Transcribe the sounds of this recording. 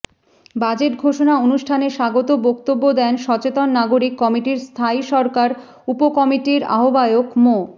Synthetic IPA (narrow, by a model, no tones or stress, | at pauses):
bad͡ʑeʈɡʱoʃonaonuʃʈʰaneʃaɡot̪obokt̪obːod̪ɛnʃɔt͡ɕet̪onːaɡoɾikːɔmiʈiɾst̪ʰaiʃɔɾkaɾ | upokɔmiʈiɾa̰ɦobaeokmo